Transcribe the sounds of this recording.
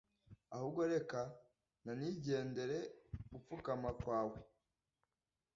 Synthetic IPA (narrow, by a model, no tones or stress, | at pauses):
ahuːbɡo̞ɾe̞ka | naniɟe̞ːnde̞ɾe̞ɡup͡fukamakwaːwe